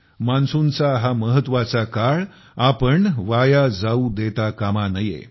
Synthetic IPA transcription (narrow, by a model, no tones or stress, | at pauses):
mansunt͡saɦaməɦət̪ʋat͡sakaɭ | apəɳʋajad͡zaud̪et̪akamanəjḛ